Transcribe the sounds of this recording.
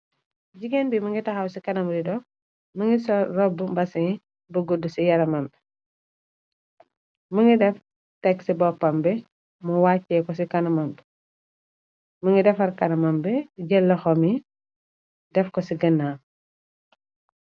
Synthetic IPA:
ɟiɡɛnbimɐŋɡitɐxɐwsikɐnɐmɾidɔ | məŋɡisɔrɔbːumbɐsɐ | bɐɡudːusijɐɾɐmɐmbɛ | məŋɡidɛf | tɛksibɔpːɐmbɛ | muwaːcːɛkɔsikɐnɐmɐmbɛ | məŋɡidɛfɐɾkɐnɐmɐmbɛɟɛlːɐxɔmi | dɛfkɔsiɡɐnːaːm

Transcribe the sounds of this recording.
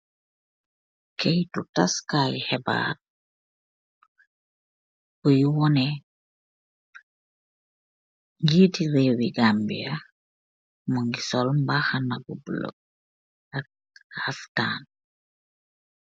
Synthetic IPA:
kɛjtutaskaːjhɛba̰ːt̚ | bujuwɔnɛ | ɲɟiːtirɛːwiɡambiɐ | mɔŋɡisɔlmbaxɐnɐbubələ̰ | ɐk̚ | haftaːn

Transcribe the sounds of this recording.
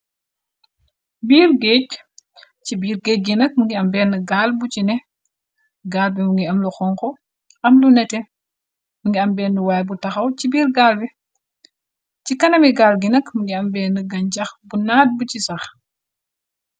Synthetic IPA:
biːrɡeːc | cibiːrɡɛːc̚ɡinɐk̚muŋɡiɐmbɛːnːɐɡaːlbucinɛ | ɡaːlbimuŋɡiɐmluxɔŋkɔ | ʔɐmlunɛtɛ | muŋɡiɐmbɛːnːəwaːjɛbutɐxɐwcibiːrɡaːlbi | cikɐnɐmiɡaːlɡinɐkmuŋɡiɐmbɛːnːɐɡɐɲcɐxbunaːt̚bucisɐx

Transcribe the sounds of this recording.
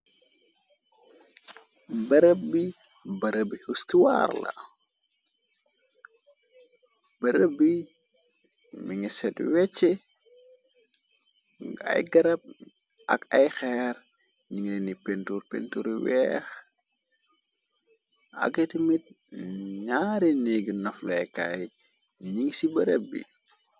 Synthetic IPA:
bɐɾəp̚bi | bɐɾəbihustuwa̰ːrla̰ | bɐɾəbi | miŋisɛtwɛt͡ʃːɛ | a̰jɡɐɾɐp̚ | ʔɐ̰kɐjxɛɾ | ɲiŋlenipentuɾpḛntuɾwɛx | ɐ̰ɡetimit̚ | ɲaːɾineɡinɐflɐjka̰j | ɲiŋsibɐɾɛbːḭ

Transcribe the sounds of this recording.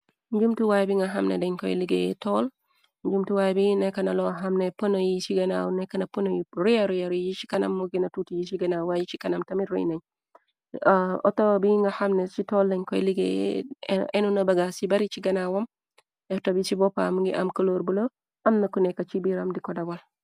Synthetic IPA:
ɲɟumtuwajbiŋɡɐɦɐmnḛdɐɲkɔjliɡḛtɔl | ɲd͡ʒumtuwajbinɛkːɐnɐlɔɦɐmneponojisiɡɐnawnɛkɐnɐponojiɾujaɾujaɾjit͡ʃi̥kɐnɐ̰mːuɡinɐtutijisiɡɐnawajit͡ʃikɐnɐmtɐmiɾṵjnɐɲ | ɔ̰tobiŋɡɐhamnesitɔldɛɲkɔjliɡḛ | enunɐbɐɡasibɐɾit͡ʃiɡɐnawom | ɛtobisibɔpa̰mŋɡḭʔa̰mkɐloɾbulo | ɐmnɐkunɛkɐt͡ʃibiɾamdikɔdawal

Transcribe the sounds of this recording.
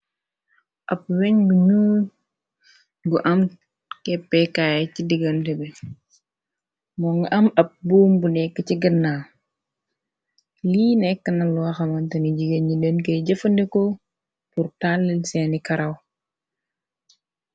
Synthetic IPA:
ʔɐp̚wɛɲɡuɲu | ɡuʔɐm | kɛpːɛkaːjɛcidiɡɐntɛbɛ | mɔŋɡʔɐmɐp̚buːmbunɛkːət͡ʃiɡənːa | liːnɛkːənɐlwaxɐmɐntɐniɟiɡəɲilenkeɟəfəndɛko | puɾtalːəlsɛnikɐɾɐw

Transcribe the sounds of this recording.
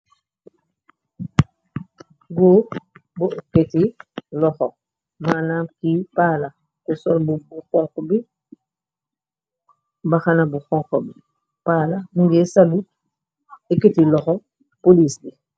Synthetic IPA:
ɡoːbuketilɔxɔ | maːnaːmkipaːla | kusɔlbubuxɔŋkɔbi | bɐxɐnɐbuxɔŋkɔbi | paːlamuŋɡɛːsalu | ɛketilɔxɔ | poliːsdi

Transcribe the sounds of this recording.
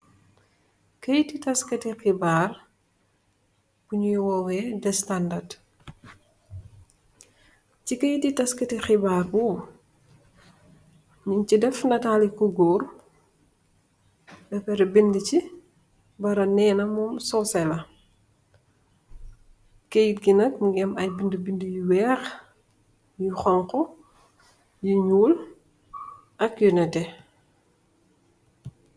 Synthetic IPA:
kɐjtitɐskɐtixibaːr | b̥uɲujwɔwɛdɛstandad | cikɐjtitɐskɐtixibaːrbu | ɲiɲcidɛfnɐtalikuɡuːr | bɛpɛɾɐbindəci | bɐɾɐnɛːnɐmɔmsɔsɛlɐ | kejit̚ɡinɐk̚ɡɛmɐjbindəbindəjiwɛːx | jixɔŋkɔ | jiɲuːl | ʔɐkjunɛtɛ

